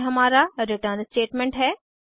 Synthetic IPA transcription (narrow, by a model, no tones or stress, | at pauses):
ɦɐmaːɾaɾɪʈəɾnsʈeːʈmẽːɳʈɦɛː